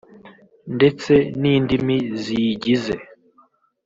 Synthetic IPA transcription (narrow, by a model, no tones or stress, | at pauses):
nde̞t͡se̞niːndimiziɟize